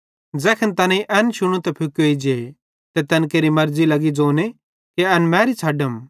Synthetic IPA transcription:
d͡zɛːkʰənt̪ɐnẽiʔɛnʃʊɽ̃ũt̪ɛpʰʊkoid͡ʒeː | t̪ɛt̪ɛnkeːɾimɐɾd͡zilɐɡid͡zoːne | keɐnmɛ̃ːɾit͡sʰɐɖəm

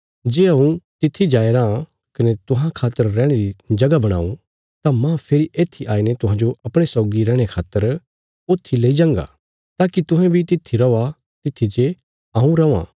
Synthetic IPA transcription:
d͡ʒeːɐũt̪ɪt̪ʰːid͡ʒaːeɾaã | kɐnet̪ʊɦãkʰaːt̪əɾːɛːɽ̃eɾid͡ʒɐɡabɐɽ̃a̰ːṵ̃ | t̪amãpʰeɾiʔeːt̪ʰːiʔaːinet̪ʊɦãːd͡ʒoʔɐpɽ̃esʊɡiɾɛːɽ̃ekʰaːt̪ːəɾ | oːt̪ʰːileːid͡ʒãːŋɡa̰ | t̪aːkit̪ʊ̃ɦɛ̃bʱit̪ɪt̪ʰːiɾɐa | t̪ɪt̪ʰːid͡ʒe | aːũɾɐã̰ː

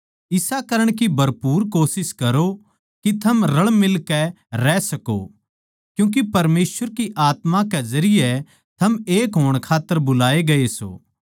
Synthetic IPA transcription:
ɪsakɐɾəɽ̃kibʱɐɾpuːɾkoːsɪskɐɾo | kit̪ʰɐmɾɐɭmɪlkɛ | ɾɛsɐko̰ | kjũːk̬ipɐɾmeːsʋəɾkiʔaːt̪mãkɛzɐɾɪjɛ | t̪ʰɐmeːkɦoːɽ̃kʰaːt̪ːəɾbʊlaːeɡɐeso̰ː

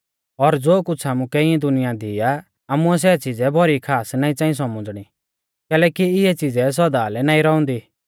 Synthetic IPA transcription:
ɔɾd͡zoːkʊt͡sʰaːmũkɛɪ̃ɛ̃d̪ʊnɪjad̪ɪja | aːmuɛs̬ɛt͡sɪd͡zɛbʱɔɾikʰaːsnãːĩt͡sãːĩs̬ɔmʊd͡zɽ̃i | kɛːlɛːkiɪɛt͡sɪd͡zɛs̬ɔd̪aːlɛnaːĩɾɔʊ̃nd̪iː

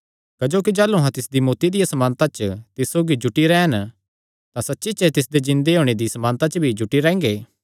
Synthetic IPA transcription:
kɐd͡ʒoːk̬id͡ʒaːluɦãt̪ɪsd̪imoːt̪id̪ɪjasɐmaːnt̪at͡ʃət̪ɪssoːɡid͡ʒʊʈːiɾɛːɦən | t̪ãsɐtːʃit͡ʃɛt̪ɪs̬d̪ed͡ʒɪ̃nd̪eɦoːɽ̃ed̪isɐmãːnt̪at͡ʃbʱid͡ʒʊʈiɾɛ̃ːŋɡeː

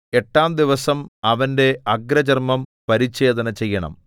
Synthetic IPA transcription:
e̞ʈːaːmd̪iʋɐsɐmɐʋɐnde̞ɐɡɾɐd͡ʑɐrmɐmpɐɾit͡ɕːe̞ːd̪ɐnɐt͡ɕe̞jːɐɳɐ̰m

